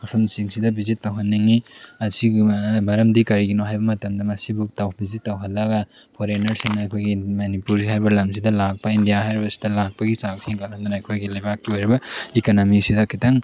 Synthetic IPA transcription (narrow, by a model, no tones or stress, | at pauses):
ɐpʰɐmsiŋsidɐbizitːawɦɐnːiŋiɐsimɐɾɐmdikɐɾiɡinoɦajbɐmɐtɐmdɐmɐsibutawbizitːawɦɐlːɐɡɐ | pʰoɾenɐɾsinɐːkʰojɡimɐnipuɾiɦajbɐlɐms̬idɐlak̚pɐindijaɦajɾibɐsi̥dɐlak̚pɐɡisaksʰiŋkɐlɐnd̪anaːjkʰojɡilɐjbakːiojɾibɐikonomiksidɐkʰitɐŋ